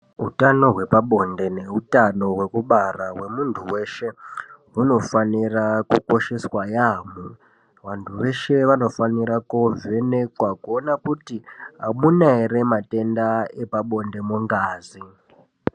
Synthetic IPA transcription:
ɦutano̞ɦwe̞paɓo̞nde̞ne̞utano̞ɦwe̞kuɓarawe̞muntʰuwe̞ʃe̞ɦuno̞fanirakuko̞ʃe̞swajamu | ʋantʰuʋe̞ʃe̞ʋano̞faniɾakovenekwakuonakutiɦamunaire̞mate̞ndae̞paɓo̞nde̞muŋɡaːzi

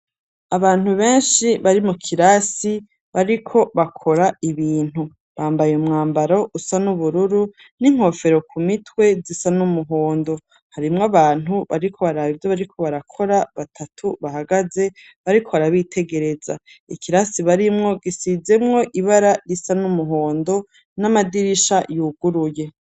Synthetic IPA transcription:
aβaːn̥huβe̞ːnʃiβaɾimukʰiɾasi | βaɾikʰo̞βakʰo̞ɾaiβiːn̥hu | βaːmbajemŋaːmbaɾo̞ʔusanuβuɾuɾu | niŋ̥ho̞fe̞ɾo̞kʰumitwe̞zisanumuɦo̞ːndo̞ | haɾimŋaβaːnɦuβa̰ɾikʰo̞βaɾaːβivjoβaɾikʰo̞βaɾakʰo̞ɾaβatʰatʰuβaɦaɡaze̞ | βaɾikʰo̞βaɾaβitʰe̞ɡe̞ɾe̞za̰ikiɾasiβaɾimŋo̞ɡisize̞mŋo̞ʔiβaɾaɾisanumuɦo̞ːndo̞ | namadiɾiʃajuːɡuɾuje̞

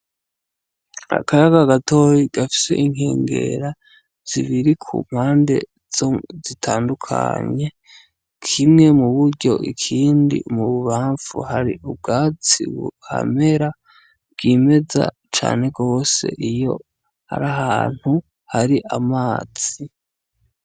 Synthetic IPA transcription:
a̰kajaɡaɡatʰo̞jiɡ̥afi̥se̞̰ʔiŋ̥hḛːŋɡe̞̰ɾa | z̥iβiɾikʰṵm̥haːnde̞̰ | zitʰaːndukʰa̰ɲe̞ | kʰimŋe̞muβuɾɟo̞ʔḭkʰiːndḭmuβuβaːɱfṵhaɾḭʔub̚ɡaːt͡sḭṵha̰me̞ɾa | bɡ̥ime̞za̰ | t͡ʃa̰ːne̞ɡo̞ːse̞̰ʔijo̞̰ | ha̰ɾaɦaːn̥hu | haɾiʔamaːz̥i

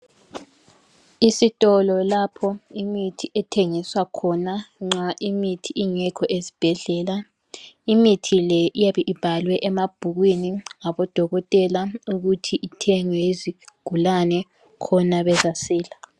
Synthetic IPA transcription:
isitʼɔlɔlapʰɔimitʰiʔɛtʰeŋiswakʰɔnaŋ͡ǁaʔimitʰiiŋɛkʰɔʔezib̥ʱɛɮɛla | imitʰilɛʔijaβɛʔib̥ʱalwɛʔɛmab̥ʱuɣwiniŋaβɔd̥ʱɔɣɔtʼɛlauɣutʰiʔitʰɛŋwɛiziɡ̥ʱulanɛ | kʰɔnaβɛzasiːla

